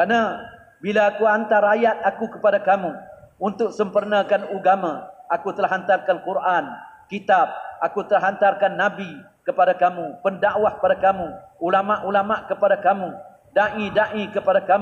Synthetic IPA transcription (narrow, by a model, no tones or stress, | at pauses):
ana | bilaakuant̪aɾajat̪̚akukəpadakamuunt̪ʊk̚səmpərnakanuɡamãʔakut̪əlaɦant̪arkankuɾʔankit̪ab̚akut̪əlaɦant̪arkanːabi | kəpadakamupəndaʔwahə̥padakamuulamaʔulamaʔkəpadakamu | daʔidaʔikəpadaka